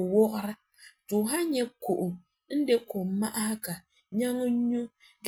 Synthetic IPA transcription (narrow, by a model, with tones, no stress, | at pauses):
wɔ˦ʔʊ˦ɾɨ˦ | tʊ˨ɦa˦ɲɛ˦ko˨ʔʊ˨ | n̩˦de˦ko˨ma˦ʔa˦hka˨ | ɲa˦ŋʊ˦ɲu˦ | ɡ